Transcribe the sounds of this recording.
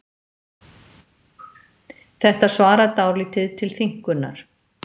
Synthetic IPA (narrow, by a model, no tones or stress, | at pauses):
θɛht̪asvaːɾat̪awɾlit̪ʰɪðt̪ʰɪlθiŋ̥kʏnːa̰ɾ̥